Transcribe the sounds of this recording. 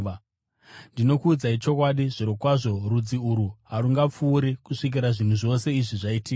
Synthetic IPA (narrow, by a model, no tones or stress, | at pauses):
ndino̞kuːd͡zait͡ʃo̞kwaɗiʐiɾokwaʐo̞rud͡ziuɾuɦaɾuŋɡap͡fuːɾikuʂik̬iɾaʐin̤uʐo̞se̞iʐiʐaitiːk